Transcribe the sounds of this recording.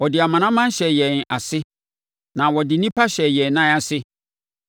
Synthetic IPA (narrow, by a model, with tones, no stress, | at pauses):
wɔ˨dɪ˨a˨mã˨nã˦mã˦n̩˦ɕɛ˨jɛ˨na˨sɪ˦ | nã˨wɔ˨dɪ˨nĩ˦pʰa˦ɕɛ˨jɛ˨n˨nːã˦a˨sɪ˦